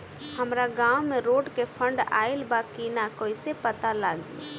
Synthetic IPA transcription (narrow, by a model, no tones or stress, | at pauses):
həmɾaɡaːwmẽɾoːɖkepʰə̃ɳɖa̰ːɪlbaːkinakoːisepət̪alaːɡi